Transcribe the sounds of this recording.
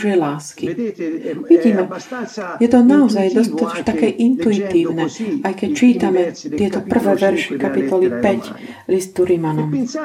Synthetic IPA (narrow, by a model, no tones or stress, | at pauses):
ʒɛlaːski | ʋiɟiːmɛjɛt̪ɔnaɔzajd̪ɔst̪at̪ɔʃt̪akɛʔint̪uit̪iːʊnɛajkɛct͡ʃiːt̪amɛt̪ɪɛt̪ɔpr̩ʋɛʋɛɾʃikapit̪ɔlipɛc | list̪uɾimanɔm